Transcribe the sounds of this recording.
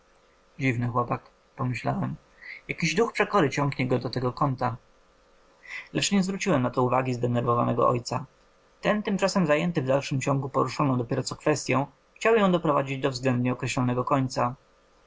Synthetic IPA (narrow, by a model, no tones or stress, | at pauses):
d͡ʑivnɘxwɔpak | pɔmɘɕlawɛm | jakʲiʑd̪uxpʂɛkɔɾɘt͡ɕɔŋɡɲɛɡɔd̪ɔt̪ɛɡɔkɔnt̪a | lɛt͡ʂɲɛzvɾut͡ɕiwɛmnat̪ɔuvaɡʲizd̪ɛnɛɾvɔva̰nɛɡɔ̰ʔɔ̰jt̪sa | t̪ɛnt̪ɘmt͡ʂasɛmzajɛnt̪ɘvd̪alʂɘmt͡ɕɔ̃ŋɡupɔɾuʂɔnɔ̃w̃d̪ɔpʲɛɾɔt̪sɔkfɛst̪ʲjɔ̃w̃ | xt͡ɕawjɔ̃w̃d̪ɔpɾɔvad͡ʑid͡ʑd̪ɔvzɡlɛnd̪ɲɛɔkɾɛɕlɔnɛɡɔkɔɲt̪sa